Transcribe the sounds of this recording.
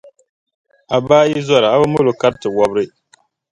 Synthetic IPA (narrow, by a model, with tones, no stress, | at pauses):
a˨baː˦ji˦zɔ˦ɾa˨a˦bɨ˦mʊ˦lo˨ka˦ɾtɨ˨wɔ˦bɾɨ˦